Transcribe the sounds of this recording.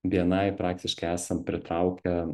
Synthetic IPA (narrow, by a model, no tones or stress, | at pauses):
ʋʲiɛnɐɪpɾɑːk̚t̪ʲɪʃkɐɪæːsɐmpʲɾʲɪt̪ɾɐʊkʲɛ